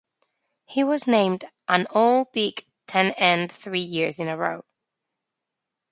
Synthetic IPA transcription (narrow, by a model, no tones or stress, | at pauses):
hiwɒznẽɪ̃mdʔə̃nolˠbɪk | tʰɛ̃nɛ̃nθɹiːjɪɹzɪ̃nəɹo̰ʊd̥̚